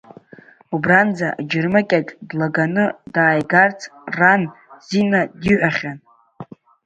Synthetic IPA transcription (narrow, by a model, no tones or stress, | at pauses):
ubrand͡zaʔad͡ʒɪrmakʲʼakʼdlaɡanɨdaːjɡart͡sʰranzinadiʕʷᶣaχʲan